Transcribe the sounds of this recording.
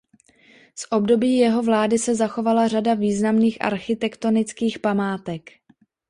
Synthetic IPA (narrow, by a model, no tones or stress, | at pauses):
sʔo̞bdo̞biːjɛɦo̞vlaːdɪsɛzaxo̞valar̝adaviːznamniːxʔa̰ɾxɪt̪ɛkt̪o̞nɪt͡skiːxpamaːt̪ɛk